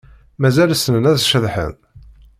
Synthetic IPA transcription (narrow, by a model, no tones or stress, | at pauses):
mæzælsənənæðʃəðħə̰n